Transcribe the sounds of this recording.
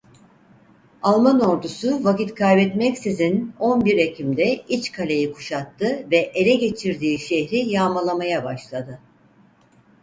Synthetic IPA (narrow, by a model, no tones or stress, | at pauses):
alˠmano̞ɾd̪usuvacit̪kʰajbɛt̪mɛcsizino̞nbiɾecʰimd̪ɛit͡ʃkʰalʲejikʰu̥ʃat̪ːɯvɛʔeɾʲɛɟe̞t͡ʃʰiɾd̪iːʃehɾijaːmalˠamajabaʃlˠad̪ɯ